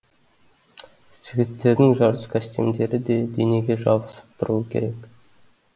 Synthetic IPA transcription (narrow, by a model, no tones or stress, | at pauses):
ʒ̥ɪɡʲɪt̪ːe̞ɾd̪ɪŋʒɑɾəskʲʰæst̪e̞̰md̪e̞ɾɪd̪e̞d̪ene̞ɡʲe̞ʒɑbəsə̥p̚t̪ʰʊɾuwəkʲʰe̞̰ɾe̞k